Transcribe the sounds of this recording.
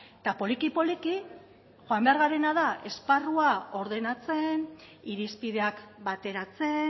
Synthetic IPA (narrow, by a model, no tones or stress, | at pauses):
t̪apo̞likipo̞liki | ʝoambe̞aɾɣaɾe̞naðaʔe̞sparuao̞ɾðe̞nat͡se̞n | iɾispiðe̞akbat̪e̞ɾat͡se̞